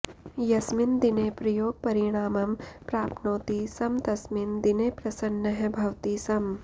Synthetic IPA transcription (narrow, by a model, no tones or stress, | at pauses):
jɐsmɪnd̪ineːpɾɐjoːɡ̚pɐɾɪɽ̃aːmɐmpɾaːpnoːt̪isɐmt̪ɐsmɪnd̪ineːpɾɐsɐnːɐɦebʱɐʋt̪isɐm